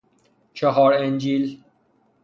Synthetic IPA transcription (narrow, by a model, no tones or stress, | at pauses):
t͡ʃʰɔɦɔːɾend͡ʒiːl